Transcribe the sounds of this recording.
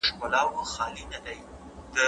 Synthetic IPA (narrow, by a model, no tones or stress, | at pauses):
ʃkʊlɑwxɑlinad̪aj | d̪ə